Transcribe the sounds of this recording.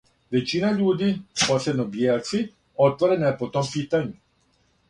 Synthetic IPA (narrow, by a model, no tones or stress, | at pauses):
ʋet͡ʃiːnaʎuːd̪iposebnobjelt̪si | ot̪ʋoɾenapot̪ompit̪aɲu